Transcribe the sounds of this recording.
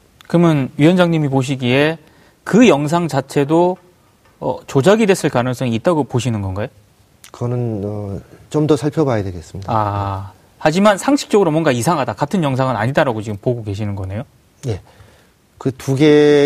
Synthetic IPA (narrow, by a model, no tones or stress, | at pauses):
kɯmjʌnɥiʌnd͡ʑaŋɲimipoɕ̬ʰiɡie̞ | kɯjʌŋs̬ʰaŋt͡ɕat͡ɕʰe̞do | ʌ̰t͡ɕod͡ʑaɡide̞s͈ʰɯɭkanɯŋs͈ʌŋiːt̚t͈aɡopoɕʰinɯnɡʌnɡajo | kɯʌnɯnʌt͡ɕomdʌsʰaɭpʰjʌbajadwe̞ɡes͈ɯmɲidaa | had͡ʑimansʰaŋɕʰi̥k̚t͡ɕ͈ʌɡɯɾomwʌnɡaisʰaŋɦadakatʰɯnjʌŋs̬ʰaŋɯnaɲidaɾaɡot͡ɕiɡɯmpoɡoke̞ɕʰinɯnɡʌne̞jo | je̞ | kɯtuɡe